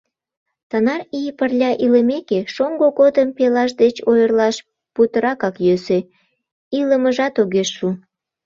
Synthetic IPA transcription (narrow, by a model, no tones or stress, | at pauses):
t̪ənɑrijpərlʲɑʔiləmekeʃoŋɡoɣod̪əmpelɑʃ̬d̪et͡ɕojərlɑʃ | put̪əɾɑkɑkjøse | iləməʒɑt̪oɣeʃːu